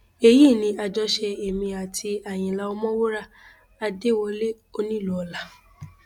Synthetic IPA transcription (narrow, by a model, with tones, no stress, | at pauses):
e˧ji˦˨nĩ˧a˧d͡ʒɔ˧ʃɛ˧e˨mĩ˧a˨tʰi˧a˨j̃ĩ˨la˧ɔ˧mɔ̃˦wo˦ɾa˦˨ | a˧de˦˨wɔ˧le˦ | o˧nĩ˦˨lu˦ɔ˧la˨˧